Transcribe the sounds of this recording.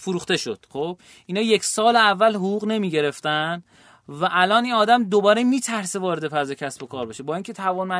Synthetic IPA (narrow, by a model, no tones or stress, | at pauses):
foɾuːχt̪e̞ʃo̞̰d̪̥χob̥ | ʔiːnɒːje̞cʰʲsɒːleævːælɦoɣuːɣne̞miːɟe̞ɾe̞ft̪æn | væʔælɒːniːnɒːd̪æmd̪o̞bɒːɾemiːt̪ʰæɾsevɒːɾe̞d̪e̞pʰæzecʰæsbo̞kʰɒːɾbeʃebɒːiːŋcʰe̞t̪ʰævɒːnmæ